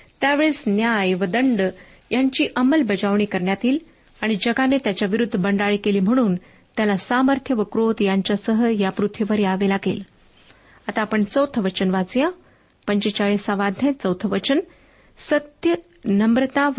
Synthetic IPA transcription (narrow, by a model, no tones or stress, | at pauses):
t̪jaʋeɭesnjajʋəd̪əɳɖ | jaɲt͡ɕiːʔəməlbəd͡ʑaʋɳ̃iːkəɾɳjat̪iːl | aɽ̃id͡ʑəɡanet̪jat͡ɕjaʋiɾud̪ʱːəbəɳɖaɭiːkeliːm̤əɽ̃uːn | t̪jalasaməɾt̪ʰjəʋəkɾot̪jaɲt͡ɕjasəɦəjapɾut̪ʰʋiʋəɾeaʋelaɡḛl | at̪aːpəɳt͡səwt̪ʰəʋət͡ɕənʋad͡zjã | pəɲt͡ɕet͡ɕaɭisaʋad̪ʱjẽt͡səwt̪ʰəʋət͡ɕən | sət̪jə | nəmbɾət̪aʋ